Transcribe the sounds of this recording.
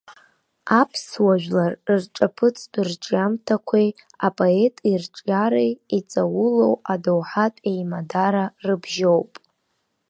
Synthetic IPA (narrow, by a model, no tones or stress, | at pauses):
apʰswaʒᶣlarrʈ͡ʂʼapʰɨt͡sʰʼirʈ͡ʂʼjamtʰakʷʰej | apʼoetʼirʈ͡ʂʼaɾejit͡sʼawʊlo̞wadowħatʼejmadaɾarɨbʒo̞wpʼ